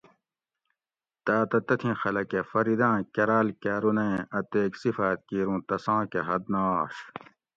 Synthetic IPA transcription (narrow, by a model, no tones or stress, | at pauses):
t̪aːt̪ɐt̪ɐt̪ʰĩxɐlɐkefɐɾid̪ãːkɐɾaːlkaːɾunɐẽʔɐt̪eːksifaːt̪̚kiːɾũːt̪ɐsãːkeɦɐd̪̚naːʂ